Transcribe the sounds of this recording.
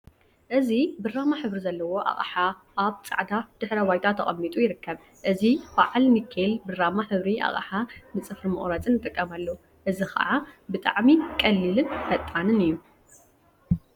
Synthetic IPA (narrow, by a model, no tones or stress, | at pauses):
ʔɨzibɨrːamaħɨβɾizɐlːɐwo̞ʔa̰χʼħa | ʔaβt͡sʼa̰ʕd̪ad̪̥ɨħɾɐwajt̪ʰat̪ʰɐχʼɐmːit̪ʼujɪɾɨkʰːɐβ | ʔɨzibaʕalmikʰːelbɨrːamaħɨβɾia̰χʼa̰ħanɨt͡sʼɨfɾɨmɨ̰χʼɾat͡sʼɨnɨt̪ʼɨkʼːɐmalːo | ʔɨzixɐ̰ʕabɨt̪ʼa̰ʕmikʼɐlːilɨnfɐt̪ʼːanɨnɨjːu